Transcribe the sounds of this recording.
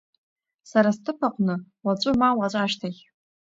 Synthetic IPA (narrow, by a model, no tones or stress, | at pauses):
saɾastʰɨpʰaqʷʼnɨwat͡ɕʷʼʊmawat͡ɕʷʼaʃtʰaχʲ